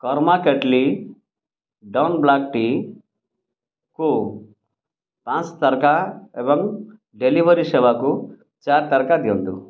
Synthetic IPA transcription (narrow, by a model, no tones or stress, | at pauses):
kɔɾmaːkeʈli | ɖɐwnblaːk̚ʈiː | ku | t̪ãːnst̪ɐɾɐkaeʋɐŋ | ɖeliʋɐɾiʃɛʋaku | t͡ʃaːɾt̪ɐɾkad̪ond̪u